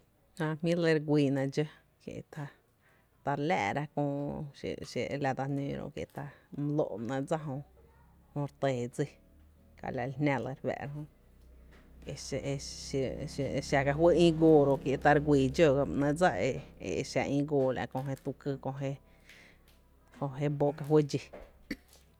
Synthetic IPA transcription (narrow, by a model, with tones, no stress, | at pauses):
hã˧mĩ˦le˧ɾɡʷiː˨nã˧d͡ʒə˦ | kjḛ˧ʔt̪a˧ | t̪a˧ɾlæ̰ː˧˨ɾa˦kõː˧ḛ˧ʃḛ˧˨la˧d̪a˧nḭ̃ː˧ɾõ̰˧ʔkjḛ˧˨t̪a˧m˧lo̰˧ʔnã˧d͡za˦ɦõ˧hõ˧ɾt̪eː˨d͡zi˧ | ka̰˧la˧lhnã˧lə˧ɾbɛ̰˧ʔɾa˦ɦõ˧ | e˧ | ʃa˧ka˧ɦwe˦ĩː˦ɡoː˧˨ɾo˧ʔkje˧t̪a˧ɾɡʷiː˨d͡ʒo˧ɡa˧nã˧d͡za˦e˧ḛ˨˧˨ʃa˧ʔĩː˦ɡoː˧˨lʔa̰˧ʔkõ˧ɦe˧t̪u˧kɨ˧kõ˧ɦe˧ | hõ˧ɦe˦bo˦ka˧ɦwe˦d͡ʒi˧